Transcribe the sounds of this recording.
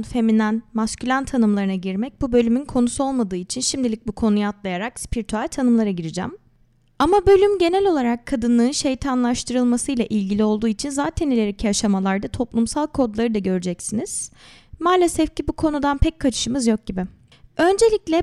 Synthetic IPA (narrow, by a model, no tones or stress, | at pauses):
nfe̞minænmascʰylʲant̪ʰːanɯmlˠaɾɯnaɟiɾmɛc̚bubø̞lʲymynkʰo̞nusuo̞lˠmad̪ɯːit͡ʃʰinʃimd̪ilʲic̚bukʰo̞nujaat̪lˠajaɾakspʰiɾit̪ʰyalʲt̪ʰanɯmlˠaɾaɟiɾid͡ʒæ̰m | amabø̞lʲymɟe̞nælʲo̞lˠaɾakʰːad̪ɯnlˠɯːnʃe̞jt̪ʰanlˠaʃt̪ʰɯɾɯlˠmasɯjlʲˠaʔilʲɟilʲio̞lˠd̪uːit͡ʃʰinzaːt̪ʰɛnilʲeɾicʰiaʃamalˠaɾd̪at̪ʰo̞plˠumsalˠkʰo̞d̪lˠaɾɯd̪aɟø̞ɾyd͡ʒɛcsiniz̥ | maːlʲesɛfcʰibukʰo̞nud̪anpʰɛc̚kʰːat͡ʃʰɯ̥ʃɯmɯzjo̞k̚ɟibɪ | ø̞nd͡ʒe̞lʲiclʲɛ